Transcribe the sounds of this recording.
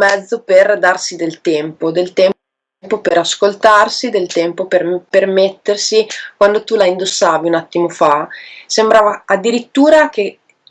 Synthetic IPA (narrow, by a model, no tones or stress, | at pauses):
mɛd̪zːoperd̪arsid̪elt̪ɛmpod̪elt̪ɛm | mpopeɾaskolt̪arsid̪elt̪ɛmpoperpermet̪ːersikwand̪ot̪ulaind̪osːaːviunat̪ːimofasembɾaːvaːd̪ːiɾit̪ːuːɾak̟e